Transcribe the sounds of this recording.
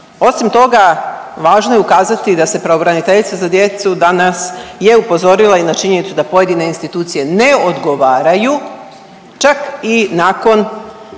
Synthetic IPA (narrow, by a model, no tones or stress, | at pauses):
o̞simt̪o̞ɡa | ʋaːʒnoje̞ukaːzat̪id̪ase̞pɾaobɾanit̪eʎit̪sazad̪jet̪sud̪anasje̞upo̞zo̞ɾilˠainat͡ʃiɲe̞nit̪sud̪apo̞je̞d̪ine̞inst̪it̪uːt̪sije̞ne̞od̪ɡo̞ʋaːɾaju | t͡ʃakinaːko̞n